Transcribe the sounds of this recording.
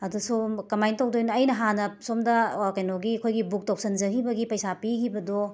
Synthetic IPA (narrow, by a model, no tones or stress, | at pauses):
ɐdusokɐmajntʰok̚dojnɐjnɐɦanɐsomdɐkɐjnoɡikʰojɡibuk̚tok̚sɐnzɐkʰibɐɡipɐjsapikʰibɐdo